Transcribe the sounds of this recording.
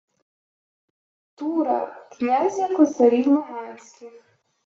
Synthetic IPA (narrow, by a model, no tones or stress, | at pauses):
t̪uɾa̰knʲazʲjakɔsaɾʲijmɔɦansʲkʲi